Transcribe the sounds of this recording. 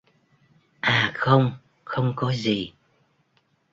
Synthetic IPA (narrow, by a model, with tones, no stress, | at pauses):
ʔaː˨˩xə˧wŋ͡m | xə˧wŋ͡mkɔ˨˦zi˨˩